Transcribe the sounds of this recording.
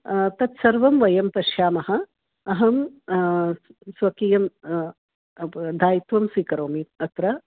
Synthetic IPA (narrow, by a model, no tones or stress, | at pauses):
t̪ɐt̪sɐɾʋɐmʋɐjɐmpɐʃjaːmɐɦɐ | ɐɦɐm | sʋɐkijɐm | d̪ʱaːjit̪ʋɐmsiːkɐɾoːmiːt̪ɐt̪ɾɐ